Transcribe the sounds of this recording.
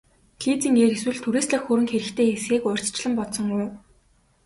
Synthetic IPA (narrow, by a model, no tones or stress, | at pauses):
kʰiːt͡siːŋeːkeswɘ̆ɮt̪ʰuɾiːst̪ɮăxuɾɘ̆ŋxeɾɘ̆xt̪ʰeːesxeːkʊr̥ʲt͡st͡ɕɮə̆mpɔtsɞ̆ŋʊː